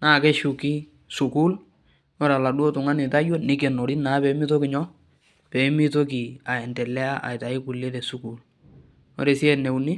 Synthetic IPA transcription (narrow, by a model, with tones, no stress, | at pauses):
naː˦˨kɛ˦ʃʊ˨kɪ˦ | sʊ˨ku˦l | ɔ˦ɾa˨la˨du˦o˦tʊ˨ŋa˦nɪ˨ta˦jo˦nɪ˦k̬e˨no˨ɾɪ˦na˨˦pɛ˨˦mɪ˦to˦kɪ˨ɲɔ˦ | pɛ˨˦mɪ˦to˦k̬ɪ˨a˨ɛ˨ntɛ˨lɛ˦a˦ʔa̰˨ɪ˨ta˨ɪ˦kʊ˨le˦tɛ˨su˦ku˨l | ɔ̰˦ɾe˨sɪ˦ɛ˦˨nɛ˨wnɪ˦